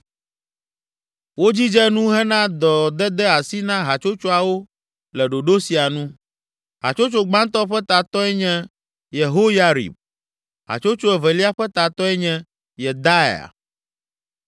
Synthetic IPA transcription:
wo˦d͡ʑi˦d͡ʒɛ˦nũ˦ɦɛ˦nã˦d̪ɔ˨d̪ɛ˦d̪ɛ˦a˨si˦nã˦ɦa˨t͡ʃo˦t͡ʃo˦a˨wo˦ | lɛ˨ɖo˨ɖo˦si˨a˨nũ˦ | ɦa̰˨t͡ʃo˦t͡ʃo˦ɡ͡bã˦nt̪ɔ˦ɸɛ˦t̪a˨t̪ɔ˦ɛ˦ɲɛ̃˦ | je˨ɦo˦ja˦ɾḭ˨b̚ | ɦa̰˨t͡ʃo˦t͡ʃo˦ɛ˨vɛ˨li˦a˦ɸɛ˦t̪a˨t̪ɔ˦ɛ˦ɲɛ̃˦ | jɛ˨d̪a˦e˨a̰˨

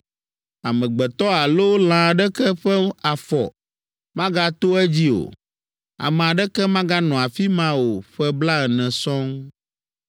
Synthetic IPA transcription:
a˨mɛ̃˨ɡ͡bɛ˨t̪ɔ˦a˨lo˦l̃ã˨ɖɛ˦kɛ˦ɸɛ˦a˨fɔ̰˨ | mã˦ɡa˦t̪o˦ɛ˦d͡ʑi˦o̰˨ | a̰˨mɛ̃˨a˨ɖɛ˦kɛ˦mã˦ɡa˦nɔ̃˨a˨fi˦mã˦wo˨ɸɛ˦bla˦ɛ˨nɛ̃˨sɔ̃˦ŋ

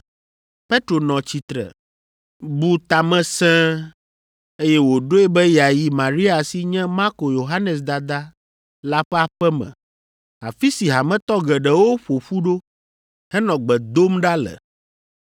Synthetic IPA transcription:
pe˦t̪ɾo˨nɔ̃˨t͡ɕi˨t̪ɾɛ̰˨ | bu˦t̪a˨mɛ̃˦sɛ̃˦ | e˦jɛ˦wo˨ɖo˦ɛ˦bɛ˦ja˨ji˦mã˨ɾi˦a˨si˦ɲɛ̃˦ma˦ɾko˨jo˨ɦa˦nɛ˨s̬d̪a˨d̪a˦ | la˦ɸɛ˦a˨ɸɛ˦mɛ̰̃˨ | a˨fi˦si˨ɦa˨mɛ̃˦t̪ɔ˦ɡɛ˨ɖɛ˨˦wo˦ɸo˨ɸu˦ɖo˦ | hɛ˦nɔ̃˨ɡ͡bɛ˨d̪o˦mɖa˦lɛ̰˨

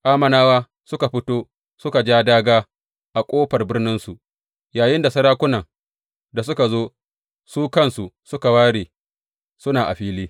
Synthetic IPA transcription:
ʔaː˦mɐ˨naː˦waː˦ | sʊ˦ka˨ɸɪ˦toː˦ | sʊ˦ka˨d͡ʒaː˦daː˦ɡaː˦ | ʔa˨kʷʼoː˦ɸɐ˨rbɪ˦rnɪ˦nsu˨ʔ | jaː˨jɪ˦nda˨sɐ˦ɽaː˦kʷʊ˦nɐ˨ŋ | da˨s̬ʊ˦ka˨zoː˦ | suː˦kɐ˦˨nsu˨sʊ˦ka˨waː˦ɽeː˨ | sʊ˦naː˨ʔa̰˨ɸiː˦liː˦

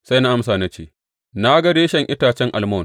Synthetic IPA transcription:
sa˦jna˦ʔa˦msaː˨na˦t͡ʃeː˦˨ | na˦ɡɐ˦ɽeː˦ʃɛ˨ŋʔɪ˦taː˨t͡ʃɛ˦ŋʔa˨lmoː˦˨n

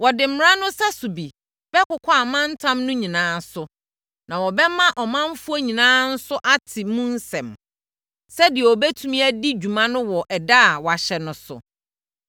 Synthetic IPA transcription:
wɔ˨dɪ˨m̩˨m˨ɾã˦nʊ̃˦sa˦su˨bi˨ | b̥ɛ˦kʊ˨kʰa˦a˨mã˦n̩˦tʰã˦mnʊ̃˦ɲĩ˨nãː˦sʊ˨ | nã˨wɔ˨bɛ˦mã˦ʔɔ˨mã˦m˦fu˦ɔ˦ɲĩ˨nãː˦n̩˦sʊ˦ʔa˦tʰɪ˨mũ˦n̩˦sɛ̃˨m | sɛ˦dɪ˨ɛ˨ɔ˨bɛ˦tʰũ˦mĩ˦æ˦di˦d͡ʑᶣu˨mã˦nʊ̃˦wɔ˨ʔɛ˨da˦˨wɔ˨a˨ɕɛ˨nʊ̃˦sʊ̰˨

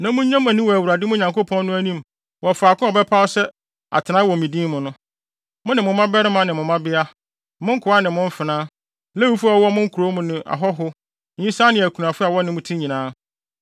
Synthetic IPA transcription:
nã˨mʊ̃˦ɲ˦ɲã˦mæ̃˨nĩ˦wɔ˨æ˨wu˨ɾa˨dɪ˦mʊ̃˦ɲã˨ŋko˦pʰɔ̃˦nːʊ̃˦æ˦nĩ˦m | wɔ˨fa˨kʊ̃˦ɔ˨bɛ˦pʰa˦ɔ˦sɛ˦ | a̰˨tʰɪ˨nã˦wɔ˨mĩ˨dĩː˦mʊ̃˨nʊ̃˦ | mʊ̃˦nɪ̃˨mʊ̃˨mã˦bɛ˦ɾɪ˦mã˦nɪ̃˨mʊ̃˨mã˦bɪ˦a˦ | mʊ̃˦ŋ̩˦kʰʊ˨a˦nɪ̃˨mʊ̃˦m̩˦fɪ˨nãː˦ | lɛ˦wu˦fu˦a˦wɔ˦mʊ̃˦ŋ̩˦kʰu˨ɾo˦mʊ̃˦nɪ̃˨ʔa̰˨ɦɔ˦ɦʊ˦ | ɲ̩˦ĩ˦saː˦nɪ̃˨æ˨kʰu˨n˨ã˨fʊ˦a˨wɔ˦nɪ̃˨mʊ̃˦tʰĩ˦ɲĩ˨nãː˦

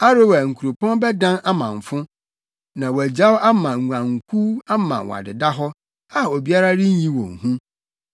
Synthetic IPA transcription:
a˦ɾɪ˦wæ˨ŋ̩˨kʰu˨ɾo˨pʰɔ̃˦nbɛ˦dã˦na˦mã˨ɱ˨fʊ̃˦ | nã˨wæ˨d͡ʑa˦wa˦mã˨ŋu˨ã˨ŋ̩˨kʰu˦a˦mã̰˨wɔ̰˨a̰˨dɪ˨da˦ɦɔ˦ | a˨o˨bi˦a˦ɾa˦ɾɪ˦ɲ˦ɲĩ˦wɔ̰̃˨ŋ̩˨hũ˦

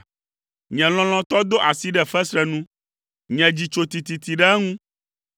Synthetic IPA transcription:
ɲɛ̃˨l̃ɔ̃˨l̃ɔ̃˦t̪ɔ˦d̪o˦ʔa˨si˦ɖɛ˦fɛ˦sɾɛ˨nũ˦ | ɲɛ̃˨d͡ʑi˨t͡ʃo˨t̪i˨t̪i˨t̪i˨ɖɛ˦ŋũ˦

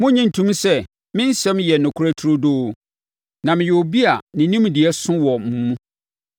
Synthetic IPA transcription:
mʊ̃˦ɲĩ˦n̩˨tʰũ˦m˦sɛ˦ | mɪ̃˦n̩˦sɛ̃˦mjɛ˨nʊ̃˨kʰu˦ɾa˦tʰu˦ɾʊ˦doː˦˨ | nã˨mɪ̃˨jɛ˨o˨bi˦a˨nɪ̃˨nĩ˦m˨di˨ɛ˦sʊ̃˦wɔ˨mũ˨mũ˦

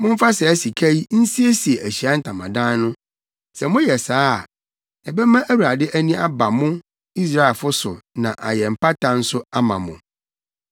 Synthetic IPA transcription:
mʊ̃˦m̩˦fa˦sɛ˨æ˦si˨kʰæ˦ji˦n̩˦si˦e˦si˨e˨ʔæ˨ɕi˨a˦n̩˦˨tʰã˨mã̰˨dã˦n˦nʊ̃˦ | sɛ˨mʊ̃˦jɛ˨saː˦˨ | ɛ˨bɛ˦mã˦ʔæ˦wu˨ɾa˨dɪ˦ʔæ˦nĩ˦a˦ba˨mʊ̃˦ | i˦s̬ɾa˦e˨lfʊ˦sʊ̰˨nã˨ʔa̰˨jɛ˨m̩˨pa˦tʰã˨n̩˦sʊ˦a˦mã̰˨mʊ̃˨

